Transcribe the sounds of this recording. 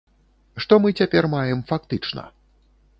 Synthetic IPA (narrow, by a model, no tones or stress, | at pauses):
ʂt̪ɔmɨt͡sʲapʲɛrmajɛmfak̚t̪ɨt͡ʂnɐ̰